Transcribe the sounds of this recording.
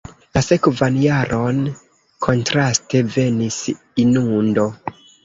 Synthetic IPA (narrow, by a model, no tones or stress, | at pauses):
lase̞kvanjaɾʔo̞n | kʰo̞ntɾaste̞ve̞nis | inundo̞